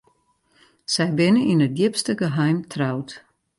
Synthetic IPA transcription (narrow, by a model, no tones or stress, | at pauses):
sɛjbɪnəʔinət̚djɪpstəɡəɦɛjmtʰrawt